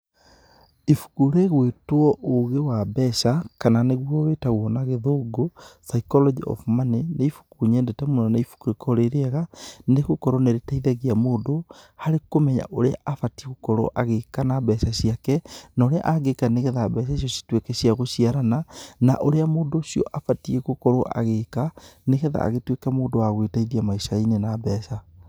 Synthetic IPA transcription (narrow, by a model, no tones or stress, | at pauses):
ifu̥kuɾeɣwetwɔʔoɣewabɛʃakananeɣwɔwetaɣwɔnaɣeðoːɡosaikɔlɔd͡ʒiɔ̰fmaneneifu̥kuɲɛndɛtɛmunɔnaifu̥kuɾekʰɔɾeɾeaɣaneɣokɔɾɔneɾetaiðɛɣiamoːndohaɾekomɛɲa̰ʔoɾea̰ʔafatieɣokɔɾɔ̰ʔaɣekanabɛːsaɕiakɛnaoɾea̰ʔaɣekaneɣɛðaːbɛs̬aʃ̬jɔɕi̥twekɛɕiaɣoɕiaɾanana̰ʔoɾeamoːndoʃiɔ̰ʔafatieɣokɔɾɔʔa̰ɣekaneɣɛða̰ːɣetwekamoːdowaɣwetaiðiamaiʃainenaːbɛːsa